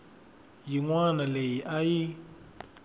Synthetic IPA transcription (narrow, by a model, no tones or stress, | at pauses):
jiŋwanalejiʔaji